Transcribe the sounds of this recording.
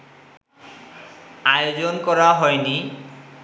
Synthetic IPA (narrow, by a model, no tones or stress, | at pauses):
ajod͡ʑonkɔɾaɦɔjni